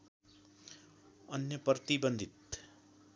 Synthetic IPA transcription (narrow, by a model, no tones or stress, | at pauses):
ʌnjʌpʌt̪ibʌnd̪ʱit̪